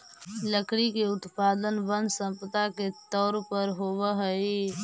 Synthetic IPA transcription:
ləkɽikeʊt̪pad̪ənbənd̪sə̃mpət̪aket̪ɔːɾpəɾɦobəɦəi

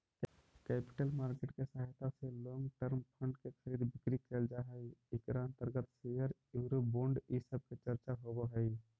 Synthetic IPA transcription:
kɛːpɪ̥ʈəlmaːɾkeʈkesəɦjt̪aselɔ̃ːŋɡʈəɾmpʰə̃ɳɖkekʰəɾiːd̪bʱɪkɾikeːld͡ʒaɦəiɪkɾaə̃nt̪əɾɡət̪sejəɾjuɾoboːɳɖisəb̚ket͡ʃəɾt͡ʃaɦobəɦəi

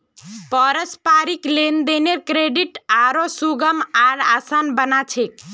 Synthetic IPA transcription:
pəɾəspaɾiklend̪eneɾkɾeɖiʈaɾosuɡəmaɾasanbənat͡ʃʰek̚

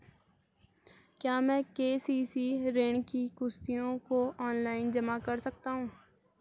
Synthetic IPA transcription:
kjaːmɛ̃ːkeːsiːsiɾeːɳ̃kiɡʊst̪ijõkoɔːnlaːɪnd͡ʒɐmakɐɾsɐk̚t̪aɦũː

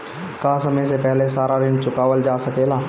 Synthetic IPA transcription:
kaːsɐməjsepɛɦlesaːɾaɾɪnt͡ʃʊkaːʋəld͡ʒaːsɐkeːlaː

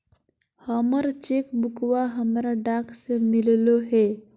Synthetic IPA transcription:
həməɾt͡ʃeːkbʊkwaɦəmɾaɖaːksemɪlloɦɛː

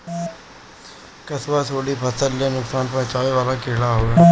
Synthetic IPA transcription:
kɐswasʰoːɽipʰɐsəlːenʊksaːnpɐt͡ʃaːʋeʋaːlakɪɦɽaɦoːe

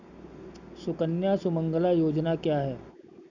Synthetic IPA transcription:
sʊkənjasʊmə̃ŋɡəlajoːd͡ʒnakjaːɦɛː

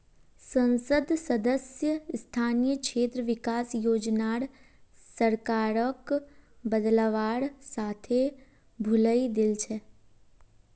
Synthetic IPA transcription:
sə̃nsəd̪səd̪əsjəst̪ʰaːnijəkʃeːt̪ɾəʋɪkaːsjoːd͡ʒnaːɽ | səɾkaːɾəkbəd̪ləʋaːɾsaːt̪ʰe | bʱʊləid̪ɪlt͡ʃʰɛ

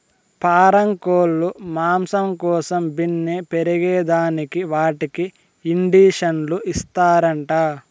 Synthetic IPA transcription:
paːɾɐŋkoːlːumaːmsɐmkɔːsɐmbinːepeɾiɡɛːd̪aːnikiʋaːʈiki | iɳɖiːʂɐnluʔist̪aːɾɐɳʈaː

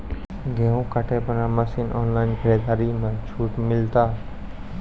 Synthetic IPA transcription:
ɡʱeũkəʈʰepənaməsinʔɔːnlaːɪnkʰəɾed̪aːɾimẽt͡ʃʰuːʈmɪlt̪aː

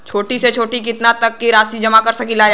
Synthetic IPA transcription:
t͡ʃʰoːʈiset͡ʃʰoːʈik̬ɪt̪nat̪ɐkːiɾaːsid͡ʒɐmakɐɾsɐkilaː

